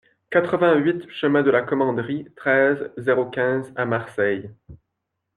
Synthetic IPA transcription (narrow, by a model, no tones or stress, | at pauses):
kat̪χəvɛ̃ɥit̪ʃəmɛ̃d̪əlakɔmɑ̃d̪ʁit̪χɛzːeʁokʲɛ̃zamaʁsɛj